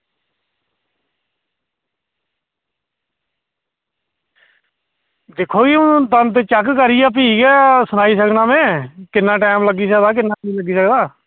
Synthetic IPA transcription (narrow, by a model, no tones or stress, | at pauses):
d̪eːkʰːoːɡiːʊt̪ənt̪̬et͡ʃəkkəɾɪjaːp̬iːɡɛːsʊnaːiːs̬əknaːmɛ̃ːkɪnːãːʈɛːmləɡiːs̬əkd̪aːk̬ɪnːaːĩːləɡiːsəkd̪aː